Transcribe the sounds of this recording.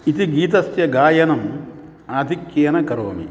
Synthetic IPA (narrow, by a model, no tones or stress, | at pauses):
it̪iɡiːt̪ɐsjɐɡaːjɐnɐm | aːd̪ʱikjeːnɐkɐɾoːmḭ